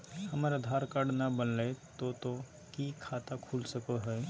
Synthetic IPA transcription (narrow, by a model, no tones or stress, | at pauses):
hɐmaɾəd̪ʱaːɾkaɽnabənleet̪ot̪o | kikʰaːt̪akʰuːlsɐkoɦɛ